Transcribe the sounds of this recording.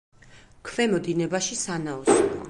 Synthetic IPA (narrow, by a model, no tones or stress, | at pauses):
kʰvɛmɔd̪inɛbaʃisanaɔs